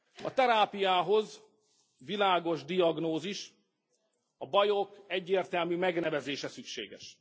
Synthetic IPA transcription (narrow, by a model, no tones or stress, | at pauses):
ɒt̪ɛɾaːpijaːɦo̞z | vilaːɡo̞ʒd̪iɒɡnoːziʃ | ɒbɒjo̞kɛɟːeːrt̪ɛlmyːmɛɡnɛvɛzeːʃɛsykʃḛːɡɛ̰ʃ